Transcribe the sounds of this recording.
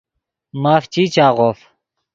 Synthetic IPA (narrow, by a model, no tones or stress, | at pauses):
maːft͡ɕiːt͡ɕaːʁof